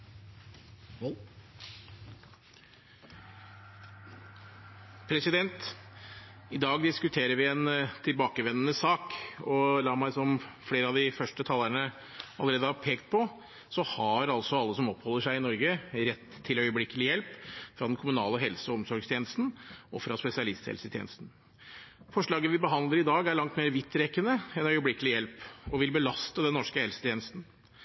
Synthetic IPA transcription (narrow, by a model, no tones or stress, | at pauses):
pʰɾɛsɪd̪ɛnt̪ | ɪd̪ɑːɡd̪ɪskʉt̪ʰeːɾəɾʋɪɛnt̪ʰɪlbɑːkəʋɛnːənəsɑːkɔlɑːmæɪsɔmfɽeːɾəɑʋd̪ɪfœʂʈət̪ʰɑlːəɳə | ɑlːəɾeːd̪əhɑɾpʰeːkt̪̚pʰɔ | sɔhɑɾɑlsɔɑlːəsɔmɔphɔlːəʂæɪɪnɔɾɡəɾɛt̪ʰːɪlœʏəblɪkːəlɪjɛlpfɾɑd̪ɛnkʰʊmʉnɑ̰ːləɦɛlsəɔɔmsɔɾɡst̪ʰeːnəst̪n̩ʔɔfɾɑspɛsɪɑlɪst̪hɛ̰lsət̪ʰjḛnəst̪n̩ | fɔʂɭɑːɡəʋɪbəɦɑnd̪ləɾɪd̪ɑːɡæɭɑŋt̪meːɾʋɪt̪ʰːɾɛkːənəɛnœʏəblɪkːəlɪjɛlpɔʋɪlbəlɑst̪əd̪ɛnnːɔʂkəhɛlsə̥t̪ʰjeːnəst̪n̩